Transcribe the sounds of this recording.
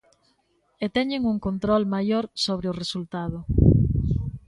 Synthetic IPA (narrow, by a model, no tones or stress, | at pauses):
et̪ɛɲeŋuŋkont̪ɾɔlmajoɾsoβ̞ɾeʊresult̪aðʊ